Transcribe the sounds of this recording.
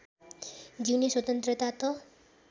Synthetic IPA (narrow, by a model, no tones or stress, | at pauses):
d͡ʒiwniswɔt̪ənt̪ɾət̪at̪ɔ